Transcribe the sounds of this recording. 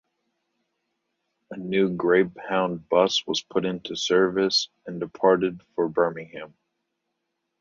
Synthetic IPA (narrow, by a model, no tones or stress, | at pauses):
ənʉɡɹeɪb̚hãʊ̃nbʌswʌz̥pʰʊɾɪ̃ntʰʉsɜ˞vɨs | ɨ̃ndɨpʰɑɹɾɨd̥fə˞bɜ˞mɪ̃ŋhæ̃m